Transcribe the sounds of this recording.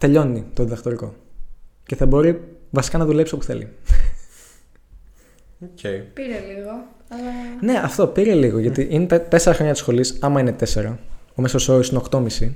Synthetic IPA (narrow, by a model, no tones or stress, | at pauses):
t̪e̞ʎo̞nit̪o̞ðiðɐkt̪o̞ɾiko̞̰ | ce̞θɐbo̞ɾivɐsi̥kɐnɐðulepso̞pu̥θe̞lḭ | ocepiɾeliɣo | ɐlɐne̞ʔɐft̪o̞piɾe̞liɣo̞ʝɐt̪iʔine̞t̪ɐt̪e̞seɾɐxɾo̞ɲɐt̪i̥sxo̞lisɐmɐine̞t̪e̞se̞ɾɐomesosoɾisinekt̪o̞misi